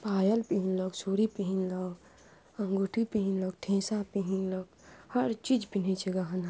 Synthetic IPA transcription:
paːjəlpiɦinlɔɡsuːɾipiɦinlɔɡ | ɐŋɡuʈʰipiɦinlɔɡ̚ʈʰẽːsapiɦinlɔɡhɐɾt͡ʃid͡ʒpin̤it͡ʃʰeɡaɦɐna

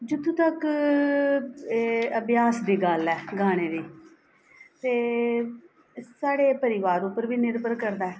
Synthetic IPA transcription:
d͡ʒʊt̪ːũːt̪ək | əbjaːsd̪iːɡalɛːɡaːɽ̃eːd̪iː | t̪eː | saːɽeːpəɾɪʋaːɾʊpəɾʋiːnɪɾbəɾkəɾd̪aːɛː

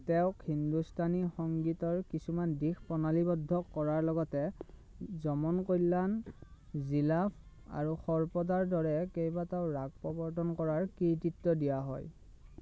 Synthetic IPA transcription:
tɛʊ̃khindustʰanixɔŋɡitɔɹkisumandixpɔnalibɔdʱːɔkːɔɹaɹlɔɡɔtɛ | zɔmɔnkojlan | zilapʰ | a̰ɹuxɔɹpɔdaɹdɔɹɛkejbatɛʊɹaɡ̚pɔbɔɹtʰɔnkɔɹaɹkiɹtitːɔdijaɦɔ̰j

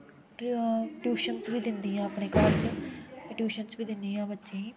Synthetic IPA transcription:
ʈjuːʃənsʋiːd̪ɪnd̪iːãːəpɳeːkaɾt͡ʃ | ʈjuːʃənsbiːd̪ɪnd̪iːãːbətːʃẽiː

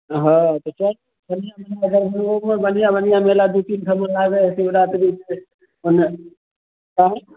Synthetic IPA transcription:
ɦãt̪ot͡ʃai | bənijamelaɡəɾbʱənomebənijabənijamelad̪ut̪int̪ʰəməlaɡəsibɾat̪bit͡ʃe | one | kaɦẽ

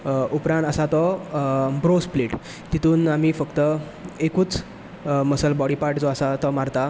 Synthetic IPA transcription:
upɾãnasat̪ɔ | bɾospleʈ | t̪it̪uːnamiːfəkt̪ə | ekuːt͡s | məsəlbɔɽipaɾʈd͡zɔasat̪ɔmaɾt̪a

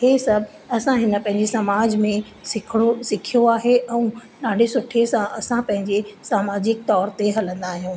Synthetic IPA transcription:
hesɐbʱ | ɐsãɦɪnə̆pɐ̃ɦɪ̃ɲd͡ʑesɐmaːd͡ʑmẽ | sɪkʰɪɽ̃osɪkʰijoaːɦeʔɛ̃ũɗãːɖesʊʈʰesãʔɐsãpɐ̃ɦɪ̃ɲd͡ʑesaːmaːd͡ʑɪk̚t̪ɔːɾt̪eɦɐlə̃nd̪aːɦijũː

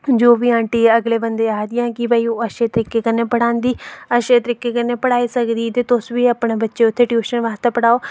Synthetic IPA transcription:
d͡ʒoːʋiːãːɳʈiːəɡleːbənd̪eːaːd̪ɪjãːkɪbəːiːoːəʃeːt̪əɾiːkːeːkənːeːpəɽãːnd̪iːəʃeːt̪əɾiːkːeːkənːeːpəɽaːiːsəkd̪iːt̪eːt̪ʊsʋiːəpɳeːbətːʃeːʊt̪ʰːeːʈjuːʃənʋaːst̪eːpəɽaːoː

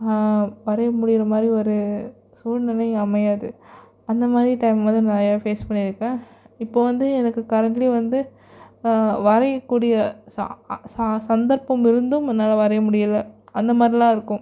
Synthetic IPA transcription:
ʋɐɾɐjɐmʊɽɪjɪɾɐmaːd̪ɾiɔɾɯ | suːlnɪlɐjɐmɐjaːðɯ | ɐnd̪ɐmaːd̪ɾiʈɐɪmʋɐnd̪ɯnɐɾɐjaːfeːspɐɳːɪɾɯkːẽː | ɪpːoːʋɐnd̪ɯɛnɐkːɯkɐɾɐɳʈliʋɐnd̪ɯ | ʋɐɾɐjɐkːuːɽɪjɐsɐ̰ssɐnd̪ɐɾpɐmɪɾɯnd̪ɯmɛnːaːlɐʋɐɾɐjɐmʊɽɪjɐlːɐɐnd̪ɐmaːd̪ɾilãːɪɾɯkːʊ̃m

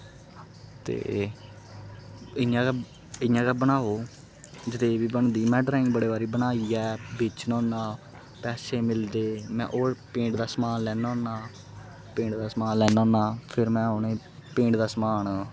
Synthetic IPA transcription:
t̪ḛː | ɪjãː | ɪjãːkɛːbənaːoː | d͡ʒɪt̪eːbiːbəɳd̪iːmɛ̃ːɖɾaːɪ̃ŋɡ̚bəɽeːbaːɾiːbənaːiːɛːbɪt͡ʃnɔ̃ːnaː | pɛːseːmɪld̪eːmɛ̰̃ːʔoːɾpẽːɳɖd̪aːsmaːnlɛːnɔ̃ːnaː | pẽːɳd̪aːsmaːnlɛːnãːnaːpʰɪɾmɛ̃ːoːneː | pẽːɳɖd̪aːsmaːn

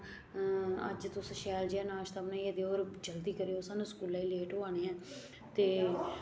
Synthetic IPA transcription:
ə̰d͡ʒt̪ʊsʃɛːld͡ʒiɛːnaːʃt̪aːmnãːieːd̪eːoːɾd͡ʒəld̪iːkəɾeːoːsaːnũːskuːlaːiːleːʈoːaːneɦɛ̃ː | t̪eː

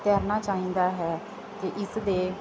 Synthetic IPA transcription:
t̪ɛːɾnaːt͡ʃaːɦĩːnd̪aːɦɛː | kɪʔɪsd̪eː

